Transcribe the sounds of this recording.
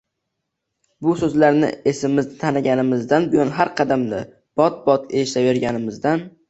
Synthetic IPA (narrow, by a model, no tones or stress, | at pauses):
bʊsɵzlaɾnɪ̰e̞sɪmːɪznɪt̪ʰanaɡʲanɪmɪzd̪anbɪjɒnɦaɾqʰɑd̪amnɪ̰ | b̥ɒt̪̚bɒt̪ʰeʃt̪ave̞ɾɡʲanɪmɪzd̪an